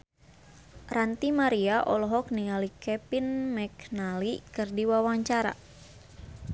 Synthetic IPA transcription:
rant̪imaɾiaʔɔlɔɦɔk̚niŋalikɛpinmɛknalikɨrdiwawaŋt͡ʃaɾa̰

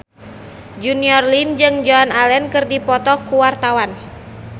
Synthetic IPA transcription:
d͡ʒuniɔrlind͡ʒɨŋd͡ʒɔnalɛnkɨrdipɔt̪ɔkuwart̪awan

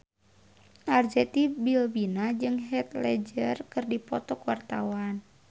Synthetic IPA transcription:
ʔard͡ʒɛt̪ibilbinad͡ʒɨŋɦɛt̪lɛd͡ʒərkɨrdipɔt̪ɔkuwart̪a̰wan

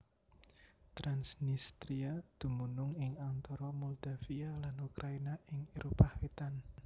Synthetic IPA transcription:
t̪ɾansnist̪ɾiad̪̥ṳmunʊŋɪŋant̪ɔɾɔmuld̪̥afialanukɾʔainaɪŋiɾʔopahwet̪an

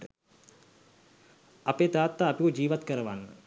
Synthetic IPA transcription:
ə | apeːt̪aːt̪ːaːpikud͡ʒiːʋat̪kəɾəʋanːə

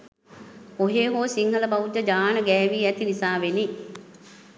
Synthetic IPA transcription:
oɦeːɦoːsiŋhələbɐud͡ʒːəd͡ʒaːnəɡɛːʋiːæt̪inisaːʋeni

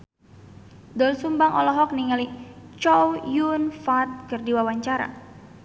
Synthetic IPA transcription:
dɔlsumbaŋʔɔ̰lɔɦɔk̚niŋalit͡ʃɔwjunfat̪̚kərdiwawaɲt͡ʃaɾa̰

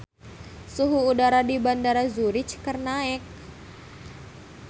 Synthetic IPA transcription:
suɦuːdaɾadibandaɾazuɾɪt͡ʃkərnaɛk̚

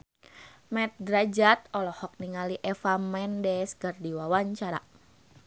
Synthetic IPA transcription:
mɛt̪̚ɡɾad͡ʒat̪̚ɔlɔhɔk̚niŋaliʔɛfamɛndɛskərdiwawaɲt͡ʃaɾa̰

